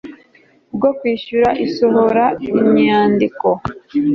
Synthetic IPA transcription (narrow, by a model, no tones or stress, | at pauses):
bɡokwiːʃuɾaʔisoɦoɾaiɲaːndiko